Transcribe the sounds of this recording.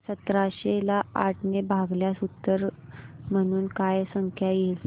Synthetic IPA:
sət̪ɾaɕelaaʈʰnebʱaɡljasut̪ːəɾm̤əɽ̃uːnkajsəŋkʰjajel

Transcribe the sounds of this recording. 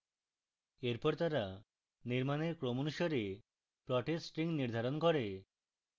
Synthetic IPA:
eɾpɔɾt̪aɾa | niɾmaneɾkɾomonuʃoɾe | pɾɔʈesʈɾiŋniɾd̪ʱaɾonkɔɾe

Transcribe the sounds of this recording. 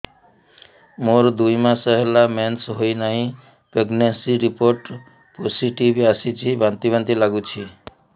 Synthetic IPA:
moɾd̪ujmãsʌɦelamensɦojnʌɦĩ | peɡnesiɾipoɾʈ | posiʈibasit͡sʰibʱant̪ibant̪ilaɡut͡sʰi

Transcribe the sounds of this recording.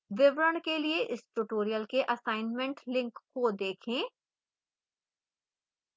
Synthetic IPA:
ʋɪʋɾəɳkelieʔɪsʈuʈoːɾijəlkeʔɐsaːɪnmɛ̃ɳʈlɪ̃ŋkːod̪eːkʰẽː

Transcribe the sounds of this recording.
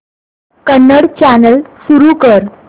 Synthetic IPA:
kənːəɽt͡ɕænəlsuɾukəɾ

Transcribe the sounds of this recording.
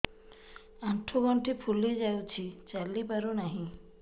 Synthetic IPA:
aʈʰːoɡɔɳʈʰipʰuled͡ʒawt͡ʃʰit͡ʃalipaɾonaɦĩ

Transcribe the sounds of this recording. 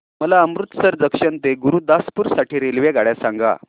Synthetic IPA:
məlaəmɾut̪səɾd͡zəkʂənt̪eɡuɾuːd̪aspuɾsaʈiːɾelʋjeɡʱaɽjasaŋɡa̰

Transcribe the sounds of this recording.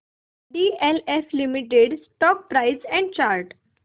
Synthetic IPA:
ɖieleflimiʈeɖsʈɔk̚pɾaɪsɛ̃ɳɖt͡ɕaɾʈ

